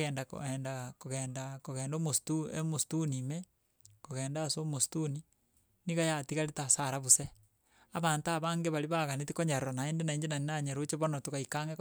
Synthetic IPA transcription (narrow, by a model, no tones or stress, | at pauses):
ɛːndako̰ɛːndakoɣɛːndakoɣɛːndomostuemostunime | koɣɛːndasomostuni | niɣajatiɣaɾetasaɾaβuse | aβantaβaŋɡeβaliβaɣanetikoɲaɾoɾonaendenaiɲd͡ʒenaninaɲeɾot͡ʃeβonotokaikaŋɡe